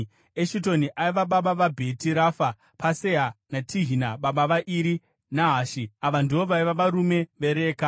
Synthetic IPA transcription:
eʃito̞niʔaiʋaɓaɓaʋabʱe̞tiɾafa | paseɦanatʰiɦinaɓaɓaʋaʔiɾi | naɦaʃiaʋandiʋoʋaiʋaʋaɾume̞ʋe̞ɾeːka

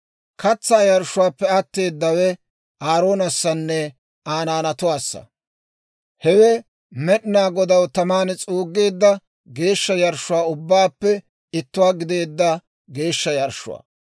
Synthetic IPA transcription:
kɐt͡sːaːjɐɾʃːʊwaːpːɛɐt̪ːe̞ːd̪ːɐwɛ | ʔaːɾo̞ːnɐsːɐnːɛ | aːnaːnɐt̪ʊwaːsːɐ̰ | hɛwɛ | mɛɗnaːɡɔd̪ɐwt̪ɐmaːnt͡sʼuːɡːe̞ːd̪ːɐ | ɡe̞ːʃːɐjɐɾʃʊwaːʊbːaːpːɛ | ɪt̪ːʊwaːɡɪd̪e̞ːd̪ːɐ | ɡe̞ːʃːɐjɐɾʃʊ̰wa̰ː

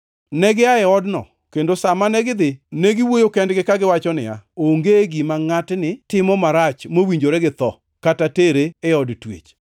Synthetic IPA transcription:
nɛɡɪaɛɔdnɔ̰ | kendosamanɛɡɪd̪ɪneɡɪwojokɛndɡɪkaɡɪwat͡ʃɔnɪ̰a̰oŋɡeɡimaŋatnɪtɪmɔmaɾat͡ʃmowiɲd͡ʒoɾɛɡɪt̪ɔ | katateɾeːɔdtwḛt͡ʃ

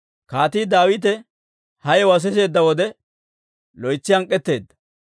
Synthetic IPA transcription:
kaːt̪iːd̪aːwɪt̪̬ɛ | hɐjɛwɐs̬ɪse̞ːd̪ːɐwɔd̪ɛ | lɔjt͡sːɪɐŋkʼːɛt̪ːe̞ːd̪ːɐ

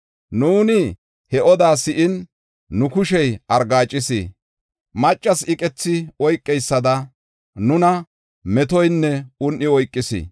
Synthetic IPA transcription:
nuːnɪ | hɛʔɔd̪aːsɪʔɪnː | ʊkʊʃɛjɐɾɡaːt͡ʃʼːɪsḭ | mɐt͡ʃʼːɐsɪkʼɛt͡sːɪɔjkʼːɛjsːɐd̪ɐ | nʊnɐ | mɛt̪ɔjnːɛʊnʔːɪɔjkʼːɪsḭː

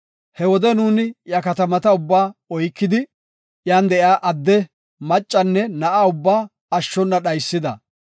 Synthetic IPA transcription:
hɛwɔd̪ɛnuːnɪjɐkɐt̪ɐmɐt̪ɐʊbːaːɔjkːɪd̪ɪ | jaːnd̪ɛʔjaːʔɐd̪ːɛ | mɐt͡ʃʼːɐnːɛnɐʔaʊbːaː | ɐʃːɔnːɐɗɐjsːɪd̪ɐ̰

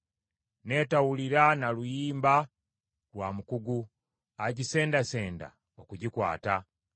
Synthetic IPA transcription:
ne̞ːtawuliɾanalujiːmba | lwamukuɡu | aɟise̞ːndaseːnda̰ | okuɟikwa̰ːta

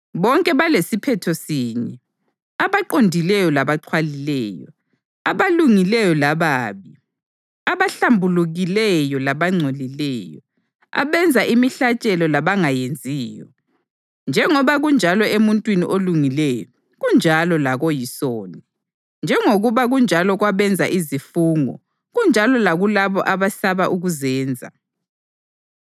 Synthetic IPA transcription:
βɔŋkʼɛβalesipʰɛtʰɔsiːɲɛ | aβaǃondʱilɛjɔlaβaǃʰwalilɛjɔ̰ | a̰βaluŋilɛjɔlaβaːβi | aβaɬambʱuluɣilɛjɔlaβaŋ͡ǀʱolilɛːjɔ̰ | a̰βɛnd͡zʱaʔimiɬat͡ʃʼɛlɔlaβaŋajend͡zʱiːjɔ̰ | nd͡ʒʱɛŋɔβaɣund͡ʒʱalɔemuntʼwiniʔoluŋilɛjɔ | ɣund͡ʒʱalɔlaɣojisoːni | nd͡ʒʱɛŋoɣuβaɣund͡ʒʱalɔɣwaβɛnd͡zʱa̰ʔizifuːŋɔ̰ | ɣund͡ʒʱalɔlaɣulaβɔ̰ʔaβasaβaʔuɣuzɛːnd͡zʱa̰

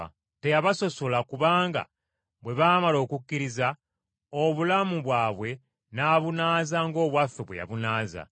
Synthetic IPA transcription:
te̞jaβaso̞so̞lakuβaːŋɡa̰ | βwe̞βaːmalo̞ːkukʲːiɾiza | oβulamuβwaːβwe̞ | naːβunaːzaŋɡo̞ːβwafːeβweja̰βunaːza̰

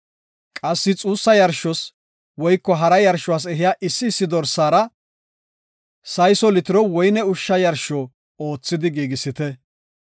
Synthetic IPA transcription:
kʼɐsːɪt͡sʼuːsːɐjɐɾʃɔs | wɔjkːɔɦɐɾɐjɐɾʃːɔwaːs̬ɛɦɪjaːʔɪsːɪːsːɪd̪ɔɾsːaːɾɐ | sɐjsɔlɪt̪ɪɾɔwɔjnɛʊʃːɐjɐɾʃɔ | oːt͡sːɪd̪ɪɡiːɡɪsːɪt̪ɛ

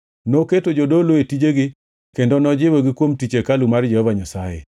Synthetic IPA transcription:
noketod͡ʒodoloetid͡ʒeɡɪ | kendɔnɔd͡ʒɪwɔɡɪkwomtit͡ʃekalumard͡ʒɛhɔvaɲasajḛ

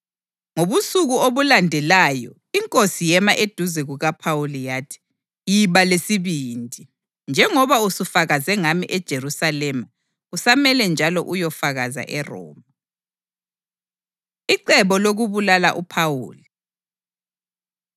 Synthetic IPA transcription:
ŋoβusuɣuoβulandʱɛlajɔ̰ | iŋkʼosijɛmaʔed̥ʱuzɛɣuɣapʰawulijaːtʰi̥ | jiβalesiβiːndʱi | nd͡ʒʱɛŋɔβausufaɣazɛŋamiʔɛd̥ʒ̥ʱerusalɛma | usamɛlɛnd͡ʒʱalɔʔujɔfaɣaza̰ʔɛrɔ̰ːma | iǃɛβɔloɣuβulalaʔupʰawṵːli

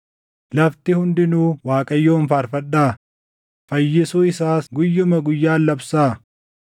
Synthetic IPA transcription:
lɐft̪ɪhʊnd̪ɪnuːwaːkʼɐjːoːnfɐɾfɐᶑaː | fɐjːɪsʊɪsaːsɡʊjːʊmɐɡʊjːaːlːɐbsaː

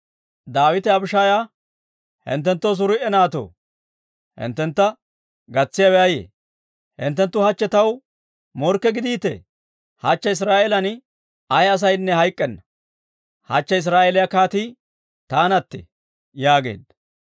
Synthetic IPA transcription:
d̪aːwɪt̪ɛɐbɪʃaːja | hɪ̰nt̪ːɛnt̪ːos̬ʊɾʊʔɛnaːt̪o̰ː | hɪ̰nt̪ːɛnt̪ːɐ | ɡɐt͡sːɪjɐwɛɐjḛː | hɪ̰nt̪ːɛnt̪ːʊhɐt͡ʃːɛt̪ɐw | mɔɾkːɛɡɪd̪iːt̪ːɛ̰ | hɐt͡ʃːɐɪs̬ɾaːʔɛlɐn | ɐjɐs̬ɐjnːɛhɐjkʼːɛnːɐ | hɐ̰t͡ʃːɐɪs̬ɾaːʔelɪjɐkaːt̪iː | t̪aːnɐt̪ːḛ | jaːɡe̞̰ːd̪

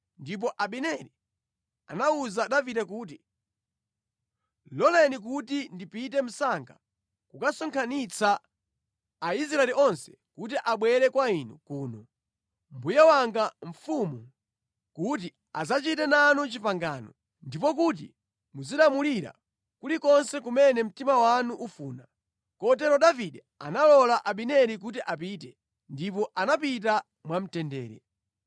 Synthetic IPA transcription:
ndip̬ɔʔaɓɛnɛli | a̰nauzaɗavidɛkuːt̬i | lɔlɛnik̬utindipit̬ɛm̩saŋɡa̰ | kukasɔŋkʰanit͡saː | is̬ɾaɛliɔnsɛ̥ | kut̬iʔaɓwɛɾɛkwainṵkuːnɔ | mbujawaŋɡaɱ̩fumu | kut̬i | azat͡ʃitɛnanut͡ʃipaŋɡa̰ːnɔ | ndipɔk̬ut̬ḭ | muziɗamuliɾa̰ | kulikɔnsɛk̬umɛnɛm̩timawanuʔufuːna | kɔt̬ɛɾɔɗaviɗɛ | a̰nalɔlaʔaɓinɛɾik̬ut̬iʔap̬iːt̬ɛ | ndip̬ɔʔanapit̬a | mwam̩tɛndɛ̰ːɾɛ̰

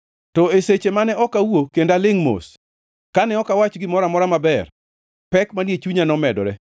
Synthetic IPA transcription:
tɔeset͡ʃemanɛʔɔkawokendalɪŋmo̰s | kanɛɔkawat͡ʃɡɪmɔɾamɔɾamabɛr | pɛkmanjet͡ʃuɲanɔmɛdɔɾɛ

